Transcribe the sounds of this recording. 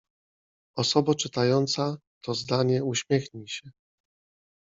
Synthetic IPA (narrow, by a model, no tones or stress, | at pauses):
ɔsɔbat͡ʂɘt̪ajɔnt̪sat̪ʰɔzd̪aɲɛuɕmʲjɛxɲiɕɛ